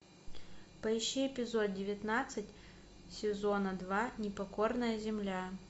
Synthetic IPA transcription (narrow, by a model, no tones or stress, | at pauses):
pɐɪɕːiɪpʲɪzo̞t̪̚dʲɪvʲɪt̪nat̪sɨtʲ | sʲɪzo̞nəd̪vanʲɪpɐko̞rnəjəzʲɪmlʲa